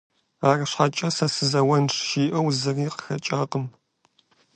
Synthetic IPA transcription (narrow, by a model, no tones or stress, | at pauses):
aːrɨɕħɐt͡ʃʼɐsɐsɨzɐwɐnʈ͡ʂʃiːʔɐwzɨriːqə̥xɐt͡ʃʼaːqəm